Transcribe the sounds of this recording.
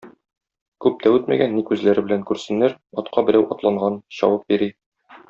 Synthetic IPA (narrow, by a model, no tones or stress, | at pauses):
kʉp̚t̪ʰæʉt̪mæ̰ɡænːikʉzlæɾɘ̆bɘ̆læŋkʉɾsɘ̆nːæɾɒt̪qɑbɘ̆ɾæwʔɒt̪lˠɑɴɢɑnɕɒ̰wɤp̚biɾi